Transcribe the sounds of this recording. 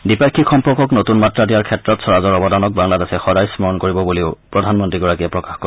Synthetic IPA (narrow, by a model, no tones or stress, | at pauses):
dipakʰːixɔmpɔɹkɔknotunmatɹadiaɹkʰɛtɹɔtsɔɹazɔɹɔbɔdanɔk̚baŋladɛsɛxɔdajsmɔɹɔnkoɹibɔbuliʊpɹɔdʱanmɔntɹiɡɔɹakijɛpɹɔkaxkɔ